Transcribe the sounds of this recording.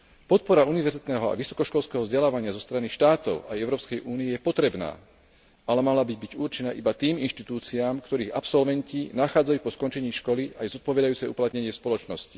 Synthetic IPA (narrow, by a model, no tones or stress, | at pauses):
pɔt̪̚pɔɾauniʋɛɾzit̪nɛːɦɔa̰ʋisɔ̥kɔʃkɔlskɛːɦɔvzɟɛlaːʋaɲɪazɔst̪ɾaniʃt̪aːt̪ɔ̰ʊajɛʊɾɔːpskɛjʔuːnijɛjɛpɔt̪ɾɛbna̰ː | alɛmalabiɟ̚biɟurt͡ʃɛnaːʔibat̪iːminʃt̪it̪uːt͡siaːmkt̪ɔɾiːɣapsɔlʋɛɲcinaxaːd͡zajuːpɔskɔnt͡ʃɛɲiːʃkɔliajzɔt̪̚pɔʋɛd̪ajuːt͡sɛjṵplat̪ɲɛɲɪɛspɔlɔt͡ʃnɔsci